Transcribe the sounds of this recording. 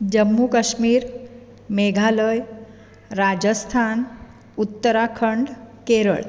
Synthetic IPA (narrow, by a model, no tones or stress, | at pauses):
d͡ʑəmːukəɕmiːɾ | meɡʱaləj | ɾad͡ʑəst̪ʰan | ut̪ːəɾakʰəɳɖkeɾə̰ɭ